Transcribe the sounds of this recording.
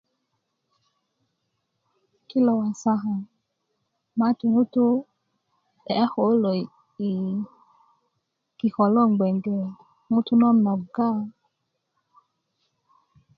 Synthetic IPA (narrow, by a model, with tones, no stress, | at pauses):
ki˦lɔ˨wa˨sa˦ɦa˨ | ma˦tu˨ŋu˦tu˦ | ɛ˨a˦xɔ˨˦lɔ˨ | i˨ | ki˨xɔ˨lɔ˦˨ŋɡ͡bɛ˨ŋɡɛ˨ | ŋu˦tu˦nɔ˦na˨ɡa˦